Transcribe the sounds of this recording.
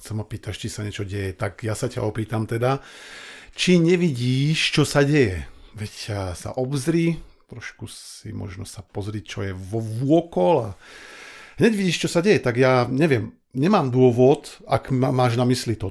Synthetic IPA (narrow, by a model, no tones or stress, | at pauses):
xt͡sɛmɔpiːt̪aʃt͡ʃisaɲɛt͡ʃɔɟɛjɛt̪aɡjasaca̰ɔpiːt̪amt̪ɛd̪a | t͡ʃiɲɛʋiɟiːʃt͡ʃɔsaɟɛjɛʋɛcsa̰ʔɔbzɾi | t̪ɾɔʃkuḭmɔ̰ʒnɔsapɔzɾict͡ʃɔjɛʋɔʋʊɔkɔla | ɦɲɛɟʋiɟiːʃt͡ʃɔsaɟɛjɛt̪aɡjaːɲɛʋɪɛm | ɲɛmaːmd̪ʊɔʋɔd̪a̰kmaːʒnamislit̪ɔ